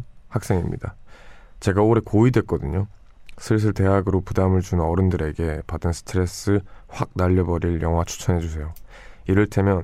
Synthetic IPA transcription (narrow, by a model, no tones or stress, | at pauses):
hak̚s͈e̞ŋimɲḭd̥at͡ɕe̞ɡaoɾe̞koidwe̞k͈ʌdɯɲo | sʰɯs̬ʰɯɭte̞ɦaɡɯɾopudamɯɭt͡ɕunɯnʌɾɯndɯɾe̞ɡe̞padɯnsʰɯ̥tʰɯɾe̞s͈ɯɸwak̚naʎːʌbʌɾiɭjʌŋɦwat͡ɕʰu̥t͡ɕʰʌnɦe̞d͡ʑusʰe̞jo | iɾɯɭtʰe̞mjʌn